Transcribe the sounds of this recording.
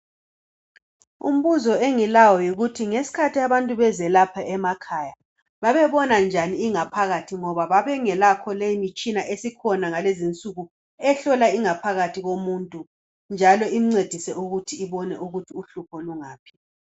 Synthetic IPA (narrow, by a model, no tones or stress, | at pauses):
ṵm̩βuzɔeŋilajɔjiɣutʰiŋesi̥kʰatʰiaβantʼuβɛzɛlapʰaɛmakʰaja | βaβɛβɔnand͡ʒʱaniːŋapʰaɣatʰiŋɔβaβaβɛŋɛlakʰɔlejimit͡ʃʼinaʔesikʰɔnaŋalezint͡sʼuɣu | ɛɬɔlaiŋapʰaɣatʰiɣomuːntʼu | nd͡ʒʱalɔʔim̩ŋ͡ǀed̥ʱisɛuɣutʰiːβɔnɛʔuɣutʰiuɬupʰɔluŋaːpʰi̥